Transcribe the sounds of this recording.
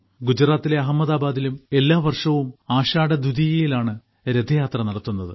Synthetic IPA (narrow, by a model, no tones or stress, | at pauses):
ɡud͡ʑɾaːt̪ːile̞ɐɦɐmːɐðaːbaːd̪ilume̞lːaːʋɐrʂɐʋumaːɕaːɽɐd̪ud̪ijɐjilaːɳɨ | ɾed̪ʱːɐjaːt̪rɐnɐɽɐt̪ːunːɐðɨ